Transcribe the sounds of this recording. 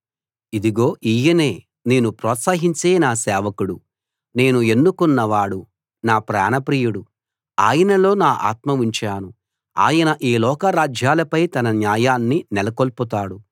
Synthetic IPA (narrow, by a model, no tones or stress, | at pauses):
id̪iɡo̞ːʔiːjɐne̞ː | neːnupɾɔːt̪saːɦiɲt͡ʃe̞ːnaːsɛːʋɐkuɽu | ne̞ːnue̞nːukunːɐʋaːɽu | naːpɾa̰ːnɐpɾiːjuɽu | aːjɐnɐlo̞ːnaːʔa̰ːt̪mɐuɲt͡ʃaːnu | a̰ːjɐnɐʔeːlɔːkɐɾaːd͡ʒjaːlɐpɐjt̪ɐnɐnjaːjaːnːinɛlɐkolput̪aːɽu